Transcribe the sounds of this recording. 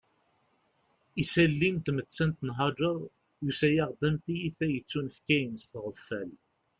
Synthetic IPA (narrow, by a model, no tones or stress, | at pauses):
isælːint̪mət͡sːænt̪nɦɑd͡ʒəɾˤ | jusæjɑʁd̪æmt̪ijiθæjət͡sːunəfkæjənst̪ʁəfːæl